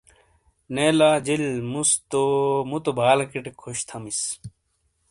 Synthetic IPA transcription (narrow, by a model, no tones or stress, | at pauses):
neːlaːd͡ʑilmust̪omut̪obʱaːlkiʈekʰːoɕt̪ʰɐmis